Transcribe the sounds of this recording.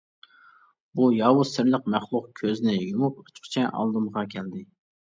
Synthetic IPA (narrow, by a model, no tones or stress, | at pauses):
bujɑːwusɪɾləqmæχlˠʊq̚kʲʰøznɪjumup̚u̥t͡ʃqʰt͡ʃʰɛʔɑ̰lˠd̪ɨmʁɑkʲʰɛld̪ɪ